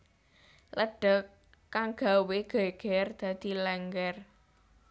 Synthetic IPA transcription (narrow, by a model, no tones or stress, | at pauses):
ləɖ̥ə̤kː | aŋɡ̥a̤weɡ̥ɛ̤ɡ̥ɛrd̪̥ä̤d̪̥i̤lɛŋɡɛr